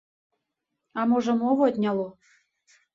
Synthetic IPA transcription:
ɑmoʒɤ̆moβot̪ʲnʲɑlo

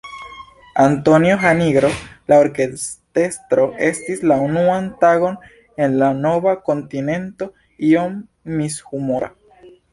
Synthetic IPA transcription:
anto̞njoxaniɡɾo̞lao̞ɾkest̪e̞st̪ɾo̞ʔe̞stislaunuantaɣo̞n | e̞nlano̞vako̞ntine̞nto̞ | io̞mː | ishumoɾa̰

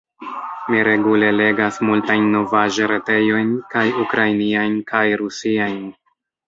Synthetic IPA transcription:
miɾe̞ɡule̞le̞ɡasmultajnːo̞vaʒeɾe̞te̞jo̞jnkajukɾajniajnkajɾusiajn

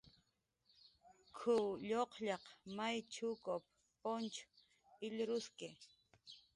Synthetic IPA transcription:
kʰʊʎoqʎɑqmajt͡ʃʰʊkop̚ | pont͡ʃʊ̥ | ɪʎɾʊskɪ

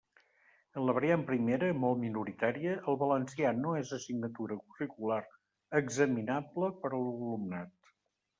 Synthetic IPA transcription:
ənləβəɾiampɾimeɾəmɔlˠt̪minuɾit̪aɾiəʔəlˠβələnsianoezəsiɡnət̪uɾəkurikulaɾ | əɡzəminabləpəɾəlˠβulumnat̪

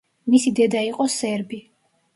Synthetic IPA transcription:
misid̪ɛd̪aiqʼɔsɛɾbi

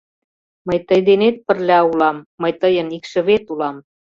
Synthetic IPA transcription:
məjt̪əjd̪enet̪̚pə̆rlʲæulɑmːəjt̪əjənikʃə̆βet̪ulɑm

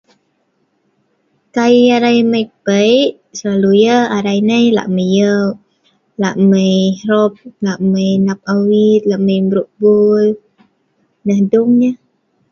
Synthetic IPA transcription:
kaiaɾajməjpəjʔ | səlalujəaɾajnəjla̰ʔməjəw | la̰ʔməjɾɔp̚laʔməjnap̚awit̪̚laʔməjmbɾuʔbul | nəhdʊŋɲə

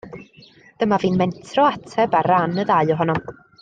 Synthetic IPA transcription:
d̥əmaviːnmɛntʰrɔatʰɛbaɾanəðaɨɔɦɔnɔm

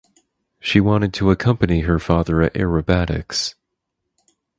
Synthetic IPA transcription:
ʃiwɑ̃ɾ̃ɨd̚tʰəəkʰʌ̃mpɨniə˞fɑðə˞ɨɾʔɛ̰ɹɨbæɾɪ̰ks

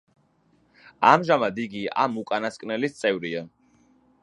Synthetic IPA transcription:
amʒamad̪iɡia̰mukʼanaskʼnɛlist̪sʼɛvɾia

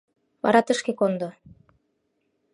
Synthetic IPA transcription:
βɑ̰ɾɑt̪ə̆ʃkekond̪o

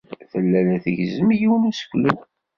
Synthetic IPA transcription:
θəlːælæθəʝzəmjiwənæsə̥kʷlən

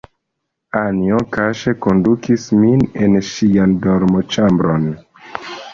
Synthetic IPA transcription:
aniokaʃe̞ko̞ndukʰisminenʃijandoɾmot͡ʃambɾon

